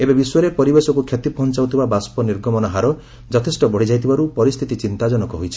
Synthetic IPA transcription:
ebebisɔɾepɔɾibesɔkukʰjet̪ipɔɦɔnt͡ʃawt̪ʰibabaspɔniɾɡɔmɔnɔɦaɾɔ | d͡ʒɔt̪ʰesʈɔbɔɽ̤id͡ʒajt̪ʰibaɾupɔɾist̪ʰit̪it͡ʃint̪ad͡ʒɔnɔkɔɦojt͡ʃʰi̥

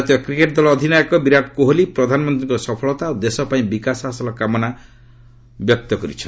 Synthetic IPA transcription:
t̪ijɔkɾikeʈd̪ɔlɔːd̪ʱinajɔkɔbiɾakkoɦolipɾɔd̪ʱanɔmɔnt̪ɾiŋkɔsɔpʰɔɭɔt̪aːwd̪esɔpaĩbikasasɔlɔkamɔna | bjɔk̚t̪ɔkɔɾḭt͡ʃʰɔ

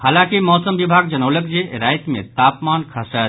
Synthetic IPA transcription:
haːlãːkimɔːsəmʋibʱaːɡ̚d͡ʒɐnoːləkd͡ʒeɾaːjt̪mḛ̃t̪aːpmaːnkʰasa

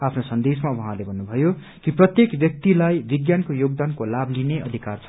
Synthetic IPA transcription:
apʰnosʌnd̪esmawʌɦãlebʱʌnːubʱʌjo | kiprʌt̪jekbjʌk̚t̪ilajbiɡjankojoɡ̚d̪ankolablineʔʌd̪ʱikart͡sʰ

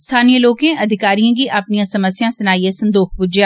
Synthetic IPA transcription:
st̪ʰaːnijəloːkẽʔɐd̪ʱɪkaːɾijãkiʔɐpnijãsɐməsjãsɐnaːiesɐ̃nd̪ouːxbʊd͡ʒjaː

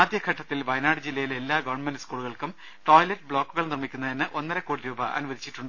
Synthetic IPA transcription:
aːd̪jɐkʰɐʈːɐt̪ːilʋɐjnaːɽɨd͡ʑilːɐjile̞lːaːɡoːrɳɖmenɖɨskuːɭuɣɐɭkum | ʈo̞ːjlɐʈːbɭo̞ːkːuɣɐlnirmikʲːunːɐenːɨʔo̞nːɐɾɐkːoːɽiɾuːbɐʔɐ̰nuʋɐd̪ʱit͡ɕːiʈːuɳɖɨ

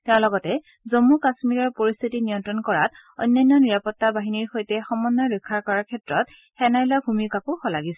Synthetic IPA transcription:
taɹlɔɡɔtɛ | zomːukasmiɹɔɹpoɹist̪ʰitinijɔntɹɔnkɔɹa̰t | ɔ̰jnːajnːɔniɹapɔtːabaɦiniɹxojtɛxɔmɔnːɔɹɔkʰːaɹkɔɹaɹkʰɛtɹɔt̚ | xɛnajlabʱumikakuxɔlaɡisɛ

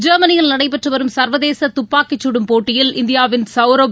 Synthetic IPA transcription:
d͡ʒɐɾmɐnɪjɐlnɐɽɐɪpːɐʈrɯʋɐɾɯmsɐɾʋɐðeːsɐt̪ʊpːaːkːɪt͡ʃːuɽɯmpoːʈːɪjɪlɪnd̪ɪjaːʋɪnsɐʊɾo

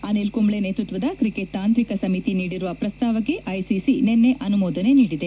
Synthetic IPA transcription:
ɐnelkumɭeneːt̪ɾut̪ʋɐd̪ɐkɾikeʈt̪aːnt̪ɾikɐsɐmit̪iniːɽiɾuʋɐpɾɐst̪aːʋɐɡeʔɐjsisinenːeʔɐnumɔːd̪ɐne̞niːɽid̪e̞

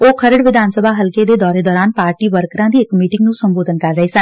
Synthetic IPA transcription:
oːkʰəɾəɽʋɪd̪ʱaːnsəbʱaːɦəlkeːd̪eːd̪ɔːɾeːd̪ɔːɾaːnpaːɾʈiːʋəɾkɾãːd̪iːɪkmiːʈɪŋɡnũːsəmboːd̪ənkəɾːəɦeːsə

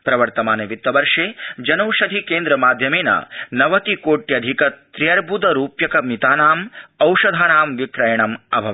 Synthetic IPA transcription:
pɾɐʋɐɾt̪ɐmaːnɐʋit̪ːɐbɐɾʂeːd͡ʒɐnɐwʂɐd̪ʱikeːnd̪ɾɐmaːd̪ʱjɐmeːnɐ̰nɐʋɐt̪ikoːʈjɐd̪ʱikɐt̪ɾijɐɾbʱud̪ɐɾuːpjɐkɐmit̪aːnaːmɐwʂɐd̪ʱaːnaːmʋikɾɐjɐɳɐmɐ̰bʱɐ

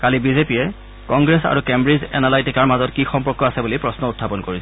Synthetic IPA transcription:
kalibizepijɛ | kɔŋɡɹesa̰ɹukembɹizɛ̰nalajtikaɹmazɔtkixɔmpɔɹkɔasɛbulipɹɔsnɔʊtʰːapɔnkoɹisɛ

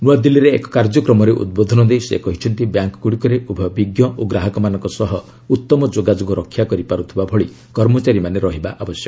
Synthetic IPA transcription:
nuad̪ilːiɾeːkɔ̥kaɾd͡ʒɔkɾɔmɔɾeʔṵd̪̚bod̪ʱɔnɔd̪ejsḛkɔɦit͡ʃʰɔnt̪ibjaŋkɔ̥kuɽikɔɾeʔubʱɔbiɡjɔʔoɡɾaɦɔkɔmanɔŋkɔsɔɦɔ | ut̪ːɔmɔd͡ʒoɡad͡ʒoɡɔɾɔkʰːjakɔɾipaɾut̪ʰibabʱɔɭi | kɔɾmɔt͡ʃaɾimaneɾɔɦibaʔabɔsjɔk

